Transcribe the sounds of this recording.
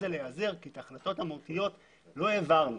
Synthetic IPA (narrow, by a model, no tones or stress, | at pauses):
elejazeʁkit̪aχlat̪o̞thamot̪ijo̞t | lo̞evaʁnu